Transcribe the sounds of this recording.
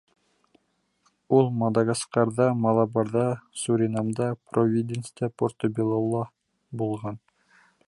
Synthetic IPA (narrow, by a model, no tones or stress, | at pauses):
ulˠmɑd̪ɑɡɑsqɑɾd̪ɑmɑlˠɑbɑɾd̪ɑsuɾʲɪnamd̪ɑprovʲid̪ʲenst̪ʲæport̪obʲilˠolˠːɑ | bulˠʁɑn